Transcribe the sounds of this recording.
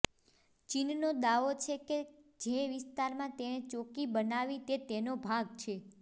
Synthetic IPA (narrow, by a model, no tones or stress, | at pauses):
t͡ʃinnod̪aʋot͡ʃʰeked͡ʒeʋɪst̪aɾmãt̪enet͡ʃokibənaʋit̪et̪enobʱaɡt͡ʃʰe